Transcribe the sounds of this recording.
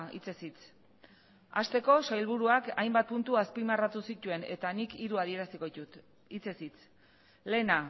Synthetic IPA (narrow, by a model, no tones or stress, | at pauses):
ḭt͡sesit͡s | ast̪e̞ko̞sajlβuɾuakajmbat̪̚punt̪uaspimarat̪usit̪ue̞ne̞̰t̪anikiɾuað̞ie̞ɾasikout̪ | it͡sesit͡s | le̞na